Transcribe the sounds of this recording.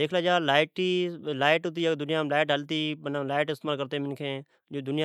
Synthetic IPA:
eːkʰlaːd͡ʒaːlaːɪʈiːlaːɪʈɦʊt̪iːad̪ʊnɪjãːlaːɪʈɦəlt̪iːənalaːɪʈɪst̪eːmaːlkəɾt̪eːmɪnkʰẽː | d͡ʒoːd̪ʊnɪja

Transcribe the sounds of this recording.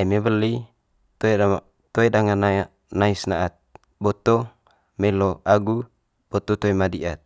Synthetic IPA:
aimebəli | t̪oe | t̪oedaŋan | naisnaʔat̪̚ | bɔt̪o | mɛloaɡu | b̥ɔt̪ot̪oemadiʔat̪̚

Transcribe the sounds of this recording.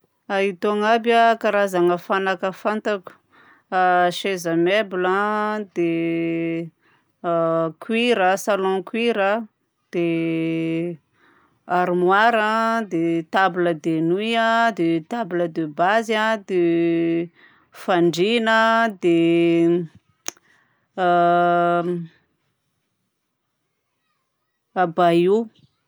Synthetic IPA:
ait̪oŋabakaɾazaŋəfanakəfant̪aku̥ | aʃezəmebulãd̪e | kwiɾəsalɔ̃kwiɾə | d̪̥e | aɾumwaɾad̪et̪abləd̪enujãd̪et̪abləd̪əbazãd̪e | faɳɖ͡ʐinəd̪e | abaju

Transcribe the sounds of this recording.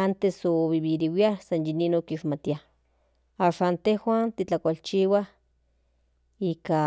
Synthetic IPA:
ant̪esoβiβiɾiwiahsanjininokiʃmat̪ia | aʃant̪ehwaːnt̪it͡ɬakʷalt͡ʃiːwah | ika

